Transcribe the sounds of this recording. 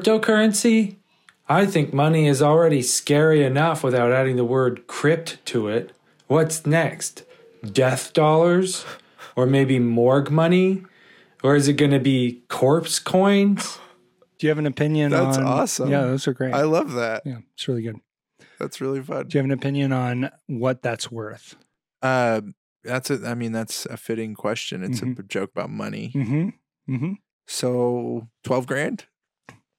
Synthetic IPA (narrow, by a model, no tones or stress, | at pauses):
p̚toʊkʰɜ˞ɨ̃nsi | aɪθɪ̃ŋk̚mʌniɪzl̩ˠɹɛɾiskɛɹiɨnʌfwəθaʊɾæɾɪ̃ŋðəwɜ˞d̚kʰɹ̥ɪp̚ttʰɨɪt̚ | wʌtsnɛkst | d̥ɛθd̥ɔlˠə˞z | ə˞meɪbimɔɹɡmʌñi | ə˞ɨzɨt̚ɡ̥ʌnɨbikʰɔɹpskʰɔ̃ɪ̃nz̥ | d̥ɨjɨːvɨ̃nɨpʰɪ̃njɨ̃nðæsnɔsə̃jæðosə˞ɡɹeɪaɪlʌvðæt̚jæætsɹɪlˠiɡʊd̥̚ | ðæ̰tsɹɪlˠifʌ̰̃ndɨjɨɨvɨ̃nɨpʰɪ̃njɨ̃nə̃nwʌt̪̚ðætswɜ˞θ | ʌ | ðætsɨaɪmĩnðætsɨ̰fɪɾɪ̃ŋkʰw̥ɛst͡ʃɨ̰̃nɨtssɨd͡ʒoʊkəb̥aʊt̚mʌ̰nḭm̥m̩ | m̩m̥m̩ | soʊtʰw̥ɛlˠvɡɹæ̃nd̥